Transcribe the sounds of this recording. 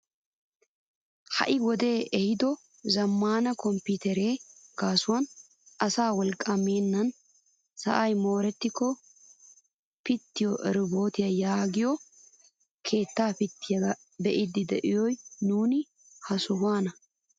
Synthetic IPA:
hɐ̰ʔɪɡɔd̪e̞ːɛhɪd̪ɔ | zɐmːaːnɐkɔmpɪt̪ɛɾeːɡ̥aːsʊwɐn | ʔɐsaːwɔlkʼːɐmeːnːɐn | sɐ̰ʔɐjmo̞ːɾɛt̪ːɪkːɔ | pɪt̪ːɪjɔʔɛɾɪbo̞ːt̪ɪjɐjaːɡɪjɔ | kʰe̞ːt̪ːaːpɪt̪ːɪjɐ | bɛʔɪd̪ːɪd̪ɛʔɪjɔjnuːnɪ | hɐsʊwaːnɐ

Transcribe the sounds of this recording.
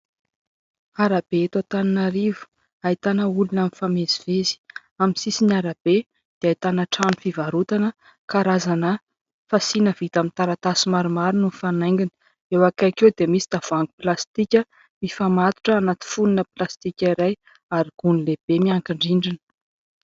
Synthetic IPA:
aɾab̥eet̪at̪aninaɾivu̥ | ait̪anəulunamifamezivezi̥ | aminsisiniaɾab̥e | d̪̥eait̪anəʈ͡ʂanufivaɾut̪anə | kaɾazanə | fasinəvit̪amint̪aɾat̪asimaɾumaɾinufanajŋɡini̥ | ewakajkewd̪emisid̪̥av̥aŋɡu̥plast̪ikʲə | mifamat̪u̥ʈ͡ʂəːnat̪i̥fununəplast̪ikʲaiɾaj | aɾiɡ̥unileb̥emiaŋkiɳɖ͡ʐiɳɖ͡ʐinə̥

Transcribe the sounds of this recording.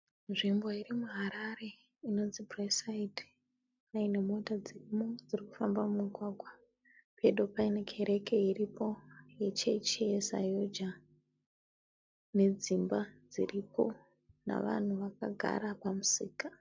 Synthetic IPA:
nʐimbo̞irimuɦaɾaɾe̞ | ino̞nd͡zibresaid | aine̞mo̞tad͡zirimod͡ziriku̥fambamumiɡʱwaːɡʱwa | pʰeɗo̞paine̞kʰe̞ɾe̞ke̞iripo̞je̞t͡ʃet͡ʃijesa̰jod͡ʒa | ne̞d͡zimbad͡zḭripo̞ | na̰ʋa̰n̤uʋaka̰ɡʱa̰ɾapamusiːkḁ

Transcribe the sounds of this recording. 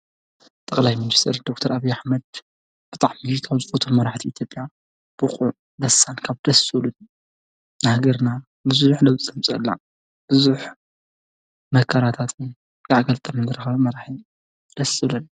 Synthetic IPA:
t̪ʼɐkʼlajmɨnist̪ʰɐɾd̪ok̚t̪ʰɐɾaβijːaħmɐd̪̚ | b̥ɨt̪ʼaʕmikʰaβzɨfot̪ʰomːɐɾaħt̪ʰiit̪ʰjo̞pʼja | b̥ɨχʼuʕ | d̪ɐsːankʰaβd̪̥ɐsulun | nhaɡɐɾna | bɨzuħlɐwt͡sʼɐmt͡sʼɐ̰lːa̰ | b̥ɨzuħ | mɐkʰaɾat̪ʰat̪ʰ | kaʕɡɐlt̪ʼɐmɨndɨɾɐxɐβmɐɾaħi | d̪̥ɐsɨlɐnːa

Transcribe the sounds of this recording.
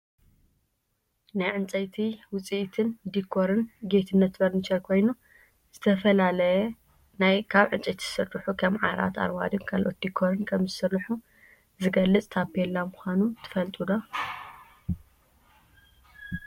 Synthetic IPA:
najʕɨnt͡sʼɐjt̪ʰiwʊt͡sʼiʔt̪ʰɨnd̪ikʰːoɾɨnɡet̪ʰɨnːɐt̪bɐɾnit͡ʃɐɾkʰo̞jnu | z̥ɨt̪ʰɐfɐlalɐjɛ | najkʰaβʕɨnt͡sʼɐjt̪ʰi̥zsɨrːɨħukʰɐmʕa̰ɾa̰t̪a̰ɾwa̰d̪ɨnkʰalʔot̪̚d̪ikʰːoɾɨnkʰɐmzɨsɨɾːɨħu | zɨɡɐlːɨt͡sʼt̪ʰapelːamʊxʷanut̪ʰɨ̥fɐlt̪ʼud̪o

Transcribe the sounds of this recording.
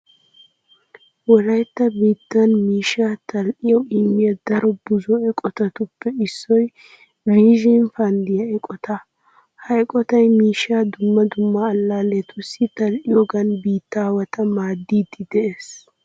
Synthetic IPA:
wɔɾɐjt̪ːɐbiːt̪ːɐnmiːʃaːt̪ɐlʔɪjɔwɪmːɪjɐd̪ɐɾɔbʊzɔɛkʼɔt̪ɐt̪ʊpːɛɪsːɔj | viːʒɪnfɐnd̪ɪjɐɛkʼɔt̪ɐ | hɐkʼɔt̪ɐjmiːʃaːd̪ʊmːɐd̪ʊmːɐːlːaːlet̪ʊsːɪt̪ɐlʔɪjɔɡɐnbiːt̪ːaːwɐt̪ʰɐmaːd̪ːiːd̪ːɪd̪ɛʔeːs

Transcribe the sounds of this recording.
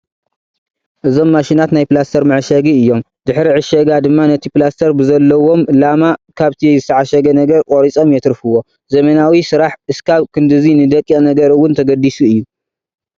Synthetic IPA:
ʔɨzo̞mːaʃinat̪najpɨlast̪ʰɐɾmɨʕʃɐɡiɨjːo̞m | d̪ɨħɾiʕɨʃɐɡad̪ɨmːanɐt̪ʰiplast̪ʰɐɾbɨzɐlːɐwo̞mlamakʰaβt̪ʰizɨt̪ʰɐʕaʃɐɡɐnɐɡɐɾkʼoɾit͡sʼo̞mjɛt̪ɾfɨwːo̞ | zɐmɐnawisɨɾaħʔɨskʰaβkʰɨnd̪ɨzinɨd̪ɐkʼːinɐɡɐɾɨwʊnt̪ʰɐɡɐd̪isuɨjːu

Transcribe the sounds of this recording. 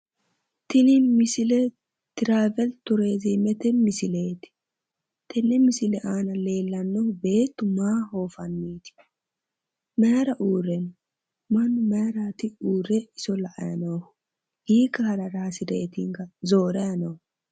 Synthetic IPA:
t̪ɪnɪmɪsɪlɛ | t̪ɪɾaːvɛlt̪ʊɾe̞ːzimɛt̪ɛmɪsɪleːt̪ɪ̥ | t̪ɛnːɛmɪsɪlɛʔaːnɐle̞ːlːɐnːɔbe̞ːt̪ːʊmaːhoːfɐnːiːt̪ɪ̥ | mɛjɐɾɐʔuːrɛn | mɐnːʊmɛɐɾaːt̪ɪuːɾɛɪsɔlɐʔɐ̰jɐ̰noːh | hiːkːɐhɐɾɐɾaːsɪd̪ɛɛt̪ɪŋkɐzoːɾɐjɐnoː

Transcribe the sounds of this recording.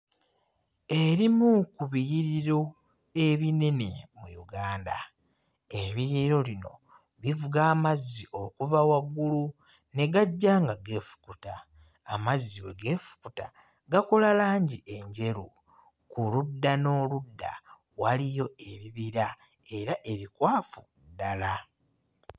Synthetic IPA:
eɾimukuβijiɾiɾo̞ | e̞βine̞ne̞mṵjṵɡaːnda̰ | eβiɾiːɾo̞lino̞̰ | βivuɡaːmazːiʔo̞kuvawaɡːulu | ne̞ɡaɟːaːŋɡaɡe̞ːfu̥kutaː | mazːiwe̞̰ɡe̞ːfu̥kuta | ɡakolalaːɲɟiʔe̞ɲɟe̞ɾu | kuludːano̞ːludːa̰ | walijo̞e̞βiβiɾa | e̞ɾaʔe̞βikwaːfu | dala

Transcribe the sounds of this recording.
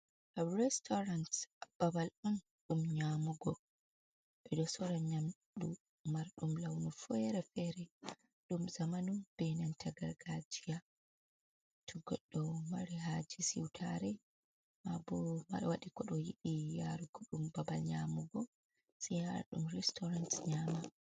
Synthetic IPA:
ɔɾɛstʰɔɾantb̥abalɔn | ɗumɲamuɡɔ | ɓ̥ɛɗɔsɔɾaɲamɗu | maɾɗumlawnufɛɾɛfɛɾɛ | ɗumzamanumb̥ɛnantʰaɡaɾɡad͡ʒija | tʰuɡɔɗːɔmaɾiɦad͡ʒisḭwtʰaɾɛ | mabɔma̰waɗikɔɗɔjiɗijaɾukɔɗumbabalɲamuɡɔ | sija̰ɗumɾɛstɔɾantɲama

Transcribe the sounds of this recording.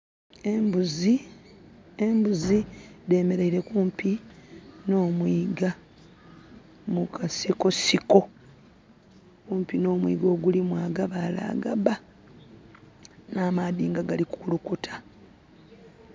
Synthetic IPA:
mbuzi | embuzide̞ːme̞ɾeiɾe̞kuːmpi | no̞ːmwiːɡa | mukʰasiko̞siko̞ | kuːmpino̞ːmwḭɡo̞ːɡulimwaːɡaβala̰ːɡa̰ba | naːmaðiːŋɡaɡalikukulukutʰḁ

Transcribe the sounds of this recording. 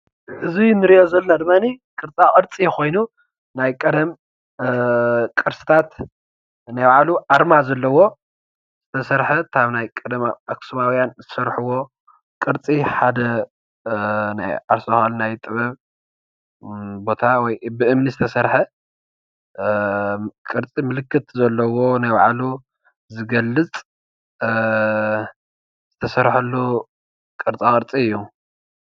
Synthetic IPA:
ʔɨzinɨɾiʔozɐlnad̪ɨmːanikʼɨɾt͡sʼakʼɨɾt͡sʼijɛxo̞jnu | najkʼɐd̪ɐm | kʼɨɾsʼɨ̥t̪ʰat̪ | najwaʕaluʔaɾmazɐlːɐwo̞ | z̥ɨt̪ʰɐsɐɾħɐt̪ʰaβnajkʼɐd̪ɐmaksuβawijanzɨsɐɾħuwo̞ | kʼɨɾt͡sʼiħad̪ɐ | na̰jʔaɾsohalnajt̪ʼɨβɐβ | bo̞t̪ʰawɔjbɨʔɨmnizɨt̪ʰɐsɐɾħɐ | kʼɨɾt͡sʼimɨlɨkːɨt̪zɐlːɐwo̞najbaʕalu | zɨɡɐlːɨt͡sʼ | z̥ɨt̪ʰɐsɐɾħɐlːu | kʼɨɾt͡sʼakʼɨɾt͡sʼiɨjːu

